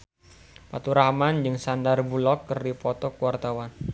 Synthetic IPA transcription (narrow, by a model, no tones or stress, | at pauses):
pat̪uɾahmand͡ʒɨŋsandarbulɔkːərdipɔt̪ɔkuwart̪awan